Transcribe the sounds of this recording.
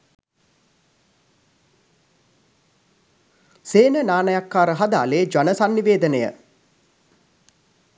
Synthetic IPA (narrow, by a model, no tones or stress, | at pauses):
seːnənaːnəjakːaːɾəɦad̪a̰ːleːd͡ʒanəsanːiʋeːd̪ənəjə̰